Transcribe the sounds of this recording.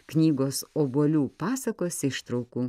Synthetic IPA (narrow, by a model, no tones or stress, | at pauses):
knʲiːɡoːsoːbuɔlʲuːpɑːsɐkoːsʲɪʃt̪ɾɐʊkuː